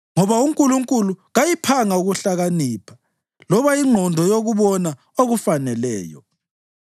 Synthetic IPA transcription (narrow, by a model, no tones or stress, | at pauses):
ŋɔβauŋkʼuluŋkʼuluɣajipʰaŋauɣuɬaɣaniːpʰḁ | lɔβaiŋ͡ǃʱɔndʱɔjoɣuβɔna | oɣufanɛlɛ̰ːjɔ̰